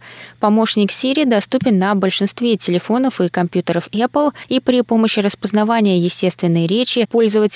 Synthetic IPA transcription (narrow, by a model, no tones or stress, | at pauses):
pɐmo̞ʂnʲɪksʲeɾʲid̪ɐst̪upʲɪnːəbəlʲʂɨnst̪vʲetʲɪlʲɪfo̞nəfɨkɐmpʲjut̪əɾəfɛplˠipɾʲɪpo̞məɕːɪrəspəznɐvanʲɪjəjɪsʲtʲe̞st̪vʲɪnːɨjəɾʲet͡ɕɪpo̞lʲzəvətʲ